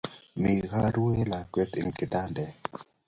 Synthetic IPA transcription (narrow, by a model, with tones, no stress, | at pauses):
mi˨ɣa˦ɾu˦e˦la˨kwɛ˦t̪ɪ˨ŋkɪ˨t̪a˦ndɛ˨